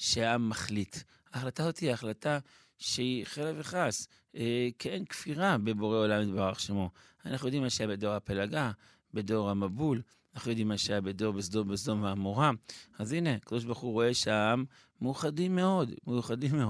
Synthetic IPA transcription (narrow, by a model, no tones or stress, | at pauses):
ʃeaamːaχlit | aːχlat̪azo̞t̪iaːχlat̪a | ʃeiχeleveχas | keʔenkfiʁabebo̞ʁeo̞lamid̪baʁaχʃemo | anaχnujo̞d̪imːaʃajabed̪o̞ʁhapelaɡa | bed̪o̞ʁhamabul | anaχnujo̞d̪imːaʃajabedo̞ʁbesdobezdo̞mvaːmoʁaazine̞akad̪o̞ʃ̬baʁχuʁo̞e̞ʃeaaamː | euχadimːeo̞d̪mejuχadimːeo